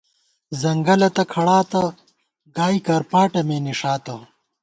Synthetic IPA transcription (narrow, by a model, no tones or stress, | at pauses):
zɐŋɡɐlɐt̪ɐkʰɐɽaːt̪ɐ | ɡaːikɐɾpaːʈɐmeːniʂaːt̪ɐ